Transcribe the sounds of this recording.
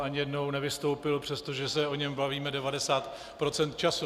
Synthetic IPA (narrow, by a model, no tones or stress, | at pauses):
aɲɪjɛdno̞wnɛvɪst̪o̞wpɪlpr̥ɛst̪o̞ʒɛsɛo̞ɲɛmbaviːmɛdɛvadɛsaːt̪ | pɾo̞t͡sɛnt̪̚t͡ʃasu